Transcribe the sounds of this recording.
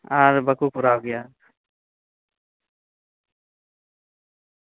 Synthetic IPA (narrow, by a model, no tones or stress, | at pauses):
aɾbəkukʊɾawɡɛja